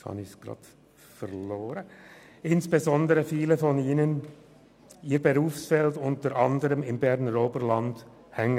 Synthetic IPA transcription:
hɑ̰nɪçsɡ̥ʁɑ̰ːd | fɛʁloːɾə | ɪnsb̥ezɔndəʁəfiːləfɔniːnən | iːɐbəʁuːfsfɛltʊntəɾʔɑndəɾəmɪmbɛʁnəʁoːbəlɑnd̥ | hɛŋə

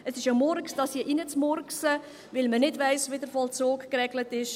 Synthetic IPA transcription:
əsɪʃomɔrksd̥ɑshiəʔinət͡smɔɾksə | ʋɪlmənɪdvæɪsʋɪdəɾfɔlt͡soːkkrɛɡlətɪʃ

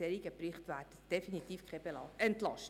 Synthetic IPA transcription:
eɾiɡəpriχtʋærtəd̥efinitiːfkʰχɛbeɛntlɑʃt

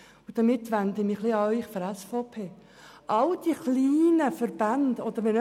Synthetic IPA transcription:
ud̥̪əmɪt̪ːʋænd̪ɪmɪχliɑœʏχfɔɾæsfopʰeː | ʔɑld̥̪iχliːnəfəɾb̥ændɔd̪əɾʋɛn

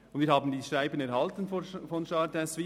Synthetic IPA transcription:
ʊndviːɾhɑːbən̩diːʃɾaɪbənɛɾhɑltən̩ffɔnʃɑdɛsʋi

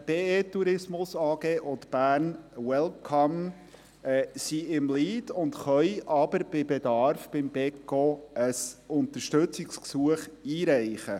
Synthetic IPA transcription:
b̥eːeːt̪ːuɾɪsmʊsɑːɡ̥eːʔʊt̪b̥æːɾnwɛlkʰɑm | ɛsiɪmliːdʊnt̪χœjʔɑb̥əɾb̥ɪbed̪ɑɾfb̥ɪmb̥ɛkːoəsʊnt̪əɾʃtɵt͡sɪksksuəχiːɾæɪχə

